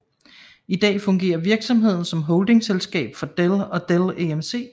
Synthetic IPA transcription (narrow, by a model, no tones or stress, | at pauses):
id̥ɛ̰ːfɔ̽ŋɡ̥e̝̰ːɐʋiɐɡ̥sɒ̽mɦe̝ð̞̰ˠn̩sɒ̽mɦɔ̽ʊld̥e̝ŋselsɡ̥ɛ̰ːb̥fɒ̽d̥elɒ̽d̥eleemse̝̰ː